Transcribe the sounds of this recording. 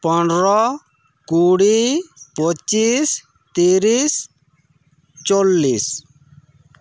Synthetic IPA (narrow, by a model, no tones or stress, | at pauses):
pɔnɖɾɔ | kuːɽipɔt͡ʃis | t̪iːɾis | t͡ʃolːis